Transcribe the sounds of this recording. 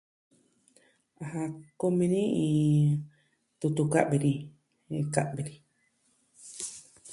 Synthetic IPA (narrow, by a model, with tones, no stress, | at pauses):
a˨ha˧ko˧mĩ˧nĩ˦ĩ˧ | t̪u˧t̪u˧ka̰˦ʔbe˨˧ɾĩ˧ | ka˧ʔbe˨ɾĩ˧